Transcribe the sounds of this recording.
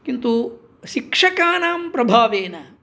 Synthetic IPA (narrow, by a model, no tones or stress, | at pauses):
kint̪u | ʃikʂɐkaːnaːmpɾɐbʱaːʋeːnɐ